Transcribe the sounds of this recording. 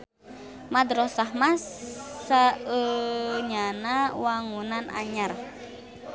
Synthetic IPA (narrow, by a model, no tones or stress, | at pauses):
mad̪ɾɔsaɦmasaəɲanawaŋunana̰ɲar